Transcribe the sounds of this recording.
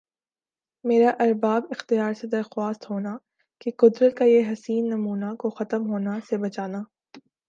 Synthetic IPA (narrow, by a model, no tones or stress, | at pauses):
meːɾaʔɐɾbaːbɪxt̪ijaːɾsed̪ɐɾxwaːst̪ɦoːna | keqʊd̪ɾət̪̚kajeɦɐsiːnːɐmuːnakoxɐt̪əmɦoːnasebɐt͡ʃaːnaː